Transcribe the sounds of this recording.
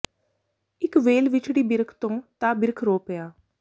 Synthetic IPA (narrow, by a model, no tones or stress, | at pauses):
ɪkʋeːlʋɪt͡ʃɽiːbɪɾkʰt̪õːt̪aːbɪɾkʰɾoːpejaː